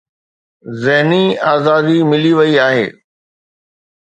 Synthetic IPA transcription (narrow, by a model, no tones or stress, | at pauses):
zɪɦniaːzaːd̪imɪliʋɐiaːɦḛː